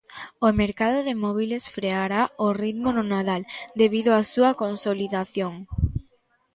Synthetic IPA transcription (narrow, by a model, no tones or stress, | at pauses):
omeɾkað̞oðemɔβ̞ilesfɾeaɾaorit̪monʊnaðald̪eβ̞iðoasuakonsoliðaθjoŋ